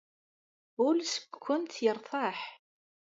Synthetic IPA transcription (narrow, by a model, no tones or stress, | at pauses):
ʊlsə̥kʷːʊnt̪jəɾˤθˤɑħ